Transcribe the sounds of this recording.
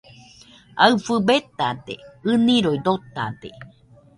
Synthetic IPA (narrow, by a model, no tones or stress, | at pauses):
aɨfɨbet̪at̪ḛɨnĩɾoid̪ot̪a̰t̪ḛ